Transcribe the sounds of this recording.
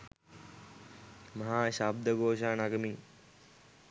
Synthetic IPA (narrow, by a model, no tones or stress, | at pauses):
mɐɦaːɕaːb̚d̪əɡoːʃaːnaɡəmi